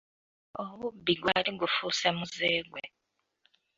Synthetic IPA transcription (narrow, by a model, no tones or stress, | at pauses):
oβubːiɡwaliɡufusemuzeːɡwe